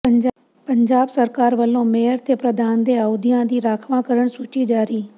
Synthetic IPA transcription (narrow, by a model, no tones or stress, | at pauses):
pəɲd͡ʒaːbsəɾkaːɾʋəlõmeːəɾt̪ʰepɾəd̪ʱaːnd̪eəʋd̪ijãd̪iːɾaːkʰʋãkəɾəɽ̃suːt͡ʃid͡ʒaːɾiː